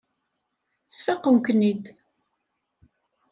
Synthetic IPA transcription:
t͡sfæqːəmknid̪

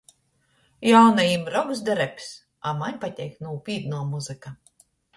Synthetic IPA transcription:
jawnajimɾɔɡzd̪ɛɾɛpʲs | amanʲpat̪ʲɛjknupʲiːd̪nuɔmuzɨka

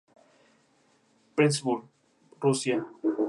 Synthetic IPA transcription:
pɾesbul | rusja

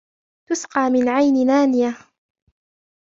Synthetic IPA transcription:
t̪ʊsqɑːmɪnʕajnɪnaːnɪja

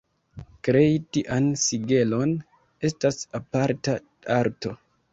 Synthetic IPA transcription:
kɾe̞jtiʔansiɡe̞lo̞n | e̞stasapaɾta | aɾto̞

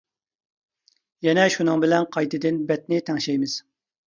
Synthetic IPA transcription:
jɛnɛʃunɨŋbɪlɛnqʰɑjt̪ɨd̪ɪnbɛt̪nɪt̪ʰɛŋʃɛjmɪz̥

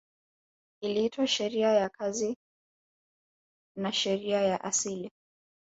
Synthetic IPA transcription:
iliitwaʃɛɾiajakʰazi | naʃɛɾiajaʔasili

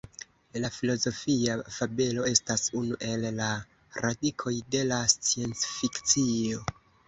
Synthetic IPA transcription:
lafilo̞zo̞fiafabe̞lo̞e̞stasunuʔe̞lːa | ɾadikʰo̞jde̞last͡sie̞nt͡sfikt͡sio̞

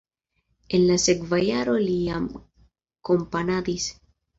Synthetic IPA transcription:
enlasekvajaɾoliam | kompanad̪is

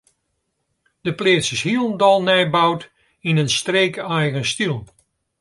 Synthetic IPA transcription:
d̥əpleːsɪshiəlˠndɔlˠnɛjbawt | inənstreːkɛjɣənstilˠ

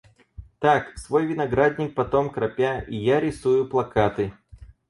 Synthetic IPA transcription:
t̪aksvo̞jvʲɪnɐɡɾad̪ʲnʲɪk̚pɐt̪omkɾɐpʲaijaɾʲɪsujʊplˠɐkat̪ɨ

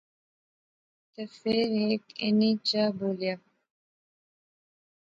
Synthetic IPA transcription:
t̪əfeɾekḛnit͡ʃaboːlja

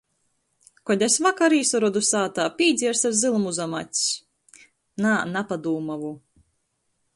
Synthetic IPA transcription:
kɔd̪ʲasvakaɾiːsɔɾɔd̪usaːt̪aːpʲiːd̪zʲiɛɾsaɾzɨlˠmuzama̰t̪ʲsʲ | nanapad̪uːmavu

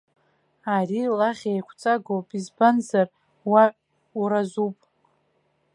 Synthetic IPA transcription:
arilaʁʲejkʷʰt͡sʼaɡopʼizbanzar | waʕ | uɾazupʼ

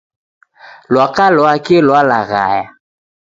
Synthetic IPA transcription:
lwakalɔakelwala̰ɣa̰ja

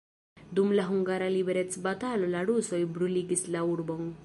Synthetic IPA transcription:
d̪umlaɦuŋɡaɾalibeɾet͡sbat̪aːlolaɽusɔjbɾuliɡislauɽbɔŋ

